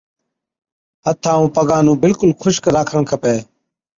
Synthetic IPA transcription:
ət̪ʰːãːũːpəɡãːnũːbɪlkʊlkʰʊʃkɾaːkʰəɳkʰəpeː

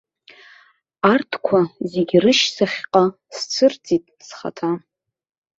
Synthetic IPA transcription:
artʰkʷʰazeɡʲrɨʃsaχʲqʼa | st͡sʰɨrt͡sʼitʼsχa̰tʰa

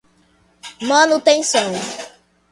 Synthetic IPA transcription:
mɐ̃nʊt̪ẽj̃sõw̃

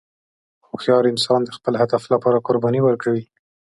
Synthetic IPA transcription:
xoxjɑɾɪnsɑnd̪əxpəlɦad̪aflapɑɾakʊɾbɑniwəɾkawi

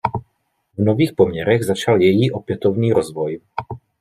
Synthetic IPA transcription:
vnoviːxpɔmɲɛɾɛɣzat͡ʃaljɛjiʔopjɛt̪ovniːɾɔzvɔj

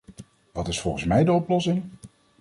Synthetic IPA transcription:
ʋɑtɪsfɔlˠχənsmɛjdəɔplɔsɪŋ

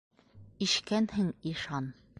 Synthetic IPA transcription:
iɕkænhɘŋiʃɑn

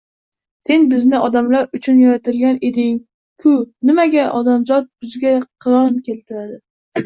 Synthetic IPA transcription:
se̞nbɪznɪʔɒd̪amlaɾʊt͡ʃʰʊnjaɾat̪ʰɪlɡʲaned̪ɪŋ | kʰʊnɪmaɡʲaʔɒd̪amzɒt̪̚bʊzɡʲaqʰɨɾɒnkʲʰe̞lt̪ʰɪɾad̪ɪ

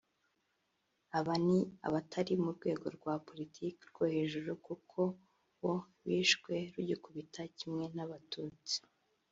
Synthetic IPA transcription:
aβania̰βatʰaɾimuɾɡwe̞ːɡo̞ɾɡwaːpo̞litʰiːkeɾɡ̥ohe̞ːʒuɾukukʰo̞ | wo | βiːʃkwe̞ɾuɟikuβitʰacimŋe̞naβatʰuːt͡si̥

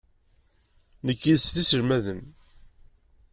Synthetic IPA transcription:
nəkːiðsθisəɾmæðəm

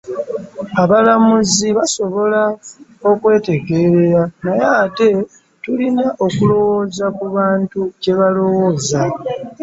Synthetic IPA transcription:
aβalamuziβaso̞βo̞lao̞kwe̞ːte̞ɡe̞ːɾe̞ɾanajaːte̞ | tulinaʔokulo̞wo̞ːzakuβaːntuce̞βalo̞wo̞ːza

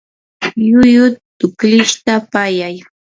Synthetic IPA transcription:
jʊjʊt̪ʊkʎɪʃt̪apajaj

